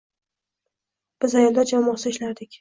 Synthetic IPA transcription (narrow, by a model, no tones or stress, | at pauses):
b̥ɪzajɒlˠd̪ad͡ʒamɒsɪɪʃlaɾd̪ɪkʲ